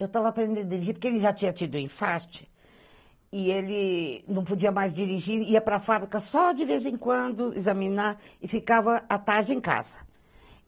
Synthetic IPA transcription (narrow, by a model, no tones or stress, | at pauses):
ewt̪avɐːpɾẽnd̪ẽd̪ʊd͡ʒiɾiʒipoɾkeelɪʒat͡ʃĩɲɐt͡ʃid̪ʊẽfaɾt͡ʃɪ̥ | ɪelɪnɐ̃w̃pod͡ʒiɐmajzd͡ʒiɾiʒiɾiɐpɾɐfabɾikɐsɔd͡ʒɪvezẽkwɐ̃nd̪ʊḭzɐmĩnaɪfikavɐat̪aɾd͡ʒɪẽka̰z̥ɐ̥